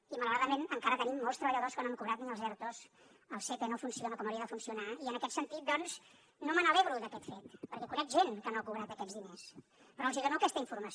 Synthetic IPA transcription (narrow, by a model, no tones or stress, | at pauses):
imələwɾaðəmenəŋkaɾət̪ənimːolˠst̪ɾəβəʎəðoskənomkuβɾat̪niəlzɛɾt̪os | əlˠset̪enofunsionəkɔməɾiəðəfunsiunaiənəkɛt̪sənt̪it̪̚d̪ɔnz | nomənəleβɾud̪əkɛt̪fet̪pəɾkɛkunɛkʒenkənoakuβɾat̪əkɛd͡zðines | pɾɔuziɣonoəkɛst̪əiɱfuɾməs